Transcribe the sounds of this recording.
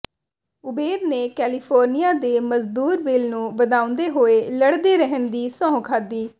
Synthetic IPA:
ʊbeːɾneːkɛːlipʰoːɾnijaːd̪eːməzd̪uːɾbɪlnũːʋəd̪aːʊ̃nd̪eːɦoːeːləɽd̪eːɾəɦəɳd̪iːsɔ̃ːɦkʰaːd̪iː

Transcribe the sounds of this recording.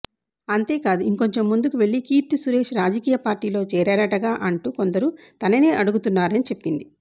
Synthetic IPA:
ɐnt̪e̞ːkaːd̪uiŋko̞ɲt͡ʃe̞mːund̪ukuʋe̞ɭːikiːpt̪isuɾe̞ːʃɾaːd͡ʒɐkiːjɐpaːɾʈiːlo̞ːt͡ʃɛːɾɛːɾɐʈɐɡaːʔɐɳʈuːko̞nd̪ɐɾut̪ɐnɐneːʔɐɽuɡut̪unːaːɾɐnit͡ʃe̞pːind̪i

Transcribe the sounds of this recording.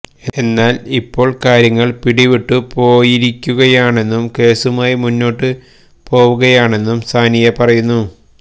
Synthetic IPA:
e̞nːaːlipːo̞ːɭkaːɾjɐŋːɐɭpiɽiʋiʈːupo̞ːjiɾikʲːuɣɐjaːɳe̞nːumke̞ːsumaːjimunːo̞ːʈːɨ | po̞ːʋuɣɐjaːɳe̞nːumst̪ʰaːnijɐpɐrɐjunːu

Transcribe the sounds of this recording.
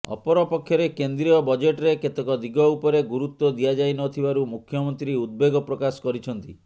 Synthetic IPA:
ɔ̰pɔɾɔpɔkʰːjɔɾekend̪ɾiɔbɔd͡ʒeʈɾeket̪ekɔd̪iɡɔupɔɾeɡuɾut̪wɔd̪iad͡ʒajnɔt̪ʰibaɾumukʰjɔmɔnt̪ɾiud̪̚beɡɔpɾɔkasɔ̥kɔɾit͡ʃʰɔnt̪i

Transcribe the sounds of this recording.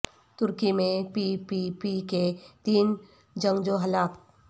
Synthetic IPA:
t̪ʊɾkimẽpipipiket̪iːn | d͡ʒə̃ŋɡd͡ʒoɦɐlaːp̪

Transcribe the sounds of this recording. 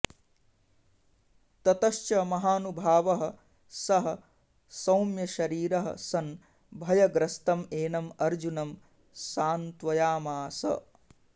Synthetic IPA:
t̪ɐt̪ɐʃt͡ʃɐmɐɦaːnubʱaːʋɐɦɐ̆ | sɐɦɐ̆ | sɐwmjɐʃɐɾiːɾɐɦɐ̰sɐn | bʱɐjɐɡɾɐst̪ɐmeːnɐmɐɾd͡ʒunɐm | saːnt̪ʋɐjaːmaːsɐ̰

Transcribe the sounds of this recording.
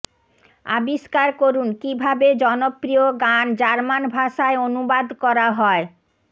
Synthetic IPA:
a̰biʃkaɾkoɾunkibʱabed͡ʑɔnopɾioɡand͡ʑaɾmanbʱaʃaeonubad̪kɔɾaɦɔe

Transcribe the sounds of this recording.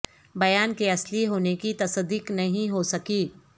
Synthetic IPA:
bɐjaːnkeɐsliɦoːnekit̪ɐsəd̪iːknɐɦĩɦosɐkiː

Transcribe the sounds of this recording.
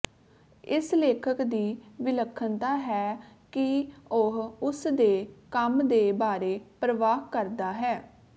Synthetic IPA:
ɪsleːkʰəkd̪iːʋɪləkʰːənt̪aːɦɛːkɪoɦʊsd̪eːkəmd̪eːbaːɾeːpɾəʋaːɦkəɾd̪aːɦɛː

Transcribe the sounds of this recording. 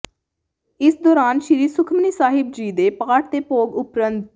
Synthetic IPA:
ɪsd̪ɔːɾaːnʃɪɾiːsʊkʰməniːsaːɦɪb̚d͡ʒiːd̪eːpaːʈt̪eːpoːɡʊpɾənd̪

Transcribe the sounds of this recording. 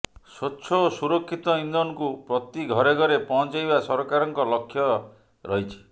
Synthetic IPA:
sotːt͡ʃʰɔosuɾokʰːit̪ɔind̪ɔnɔkupɾɔt̪iɡʱɔɾeɡʱɔɾepɔ̃ɔ̃nt͡ʃajbasɔɾɔkaɾɔŋkɔlɔkʰːjɔ | ɾɔɦit͡ʃʰi̥

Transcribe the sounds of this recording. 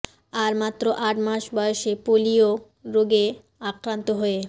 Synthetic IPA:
aɾmat̪ːɾoʔaʈmaʃbɔjoʃepolio | ɾoɡe | akɾant̪oɦoe

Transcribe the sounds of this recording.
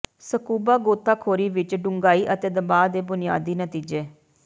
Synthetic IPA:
səkuːbaːɡoːt̪ʰːaːkʰoːɾiːʋɪt͡ʃɖʊŋɡaːiːʔət̪eːd̪əbaːd̪eːbʊnɪja̰ːd̪iːnət̪iːd͡ʒeː

